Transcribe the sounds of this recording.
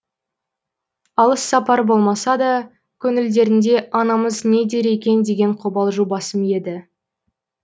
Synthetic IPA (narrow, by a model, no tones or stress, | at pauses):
ɑlˠəsːɑpɑɾəbo̞lˠmɑsɑd̪ɑ | kʲʰɵnɪld̪e̞ɾɪnd̪e̞ʔɑnɑməzne̞d̪e̞ɾe̞kʲe̞nd̪e̞ɡʲe̞ɴqʰobɑlˠʒubɑsəmje̞d̪ɪ